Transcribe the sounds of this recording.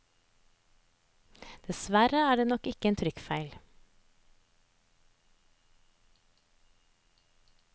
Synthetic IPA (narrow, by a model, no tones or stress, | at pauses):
d̪̥ɛsʋæɾəæːɖeːnɔkɪkəeːnt̪ʰɾʏkfæɪl